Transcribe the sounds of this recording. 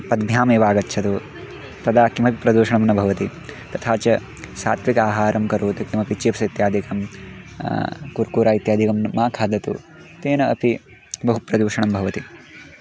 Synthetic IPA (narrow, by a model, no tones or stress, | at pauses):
pɐd̪bʱjaːmeːʋaːɡɐtːʃʰɐt̪u | t̪ɐd̪aːkimɐpipɾɐd̪uːʃɐɳɐmnɐbʱɐʋɐt̪it̪ɐt̪ʰaːt͡ʃɐ | sa̰ːt̪ʰʋikaːɦaːɾɐmkɐɾoːt̪ɐkimɐpit͡ʃiːpɐsɐit̪jaːd̪ʱikɐm | kuɾkuːɾaːit̪jaːd̪ʱikɐmnɐmaːkʰaːd̪ɐt̪ṵ | t̪eːnɐɐpi | bɐɦupɾɐd̪uːʃɐɳɐmbʱɐʋɐt̪i